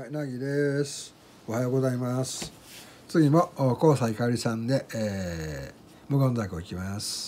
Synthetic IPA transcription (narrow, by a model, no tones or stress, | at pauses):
ainaɡʲid̪e̞sɨ̥ | o̞hajo̞ːɡo̞zaimasɨ̥ | t͡sɨɡʲimo̞ko̞ːsaikaɾʲisãnd̪e̞ | mɯ̟ɡõ̞nd͡zakɯikʲimasɨ̥